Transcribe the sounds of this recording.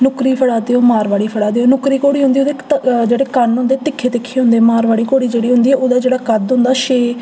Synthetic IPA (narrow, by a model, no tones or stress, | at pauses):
nʊkɾiːpʰəɽaːd̪eːoːmaːɾʋaːɽiːpʰəɽaːd̪eːoːnʊkɾiːkoːɽiːɦʊ̃nd̪iːoːd̪eːd͡ʒeːɽeːkənɦʊ̃nd̪eːt̪ɪkʰːeːt̪ɪkʰːeːɦʊ̃nd̪eːmaːɾʋaːɽiːkoːɽiːd͡ʒeːɽiːɦʊnd̪iːɛːʔoːd̪aːd͡ʒeːɽaːkəd̪ʊ̃nd̪aːʃeː